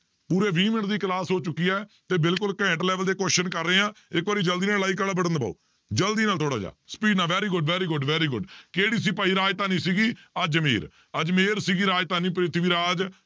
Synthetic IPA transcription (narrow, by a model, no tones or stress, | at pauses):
puːɾeːʋiːmə̃ʈd̪iːklaːsɦoːt͡ʃʊkːiːaːt̪eːbɪlkʊlkɛ̃ːʈlɛːʋəld̪eːkoːʃənkəɾːəeːãːɪkʋaːɾiːd͡ʒəld̪iːnaːlaːiːkəlaːbəɽə̃nd̪pa̰ːo̰ː | d͡ʒəld̪iːnaːlt̪ʰoːɽaːd͡ʒa̰ːsə̥piːɖnaːʋɛːɾiːɡʊɖʋɛːɾiːɡʊɖʋɛːɾiːɡʊɖkeːɽiːsiːpaːiːɾaːd͡ʒt̪aːnĩːsiːɡiːəd͡ʒmḛːɾ | əd͡ʒmeːɾsiːɡiːɾaːd͡ʒt̪aːnĩːpɾɪt̪ʰʋiːɾaːd͡ʒ